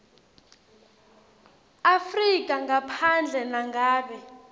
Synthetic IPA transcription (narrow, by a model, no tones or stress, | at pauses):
afrikʼaŋɡapʰand͡ɮʱɛnaŋɡaːɓɛ